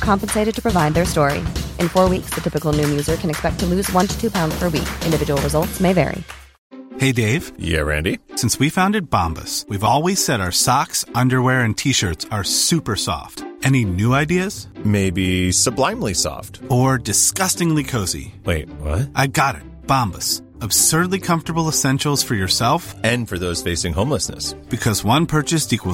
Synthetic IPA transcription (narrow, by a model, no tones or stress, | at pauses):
kʰɑ̃mpɨnseɪɾɨd̚tʰɨ̥pʰɹ̥ɨvaɪd̪̚ðə˞stɔɹḭʔɨ̃nfɔɹwiksðɨtʰɪpɨkl̩ˠnʉmjʉzə˞kʰɨ̃nɨkspɛk̚tʰəlʉzwʌ̃ntʰɨ̥tʰʉpʰãʊ̃ndz̥pʰə˞wḭkʔɪ̃ndɨvɪd͡ʒəwl̩ˠɹəzʌlˠtsmeɪvɛ̰ɹḭ | heɪdeɪv̥jæ̰ɹæ̰̃ndisɪ̃nswifãʊ̃ndɨt̚b̥ɑ̰̃mbə̰swivɔlˠwiz̥sɛɾaʊə˞sɑksʌ̃ndə˞wɛɹɨ̃ntʰiʃɜ˞tsə˞sʉpə˞sɔ̰ftɛñinʉaɪdiɨz̥meɪbisəblãɪ̃mlisɔ̰ftə˞dɨskʌstɪ̃ŋlikʰoʊzḭweɪt̚wʌ̰t̚ʔaɪɡɑɾɪ̰t̚b̥ɑ̃mbə̰s | əb̥sɜ˞dˡlikʰʌ̃ɱftə˞bl̩ˠəsɛ̃nʃl̩ˠz̥fə˞jə˞sɛlˠfɨ̃nfə˞ðoʊz̥feɪsɪ̃ŋɦõʊ̃mləsnɨ̰sb̥ɨkʰʌzwʌ̃npʰɜ˞t͡ʃɨstikw